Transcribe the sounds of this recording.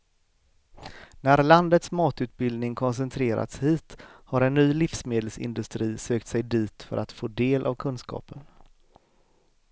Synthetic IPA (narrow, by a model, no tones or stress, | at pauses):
næɾland̪ət̪smɑːt̪ʉ̟ːt̪̚bɪld̪nɪŋkʰɔns̬ɛnt̪ʰɾeːɾa̰t̪shiːt̪haɾɛnːyːlɪfsmeːd̪əlsɪ̰nd̪ɵst̪ɾiːsøːk̚t̪sɛjd̪iːt̪fœ̰ɾʔat̪foːd̪eːlʔa̰vkʰɵnskɑ̰ːpən